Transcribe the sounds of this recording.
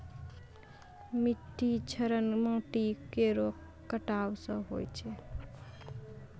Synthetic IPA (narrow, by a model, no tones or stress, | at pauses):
miʈːit͡ʃʰəɾənməŋʈikeɾok | kːəʈawsə̃ɦojt͡ʃʰɛ